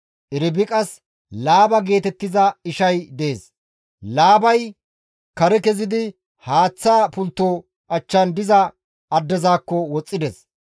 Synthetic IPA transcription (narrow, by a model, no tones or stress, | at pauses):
ʔɪɾɪbɪkʼɐs | laːbɐɡe̞ːt̪ɛt̪ːɪzɐɪʃɐjd̪ɛeːs | laːbɐj | kɐɾɛkɛzɪd̪ɪ | haːt͡sːaːpʊlt̪ːoː | ʔɐt͡ʃːɐnd̪ɪzɐ | ɐd̪ːɛzaːkːɔwɔt͡sʼːɪd̪ɛs